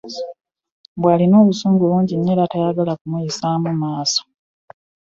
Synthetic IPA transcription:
bwaːlino̞ːβusuːŋɡuluːɲɟinːeɾatajaɡalakumujisaːmumaːso̥

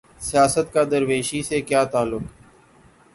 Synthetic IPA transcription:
sɪjaːsət̪kaːd̪əɾʋeːʃiːseːkjaːt̪aːlːʊk

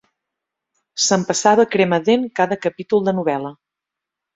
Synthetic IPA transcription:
səmpəsaβəkɾeməðenkaðəkəpit̪ulˠd̪ənuβɛlə

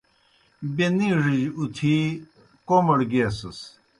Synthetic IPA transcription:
beniʐiʑut̪ʰi | komɐɽɡeːsɐs

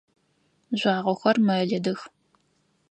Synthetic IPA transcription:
ʑʷɑːʁʷɔxʷɐrmɐɮɐdɨx

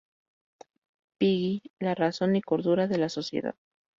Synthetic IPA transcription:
piɣilaraso̞niko̞ɾðuɾaðe̞laso̞sjḛða̰ð

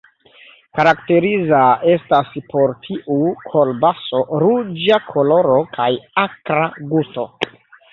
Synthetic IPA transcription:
kaɾakte̞ɾizae̞staspo̞ɾtʰiʔukʰo̞lbaso̞ɾud͡ʒakʰo̞lo̞ɾo̞kʰajakɾaɡusto̞

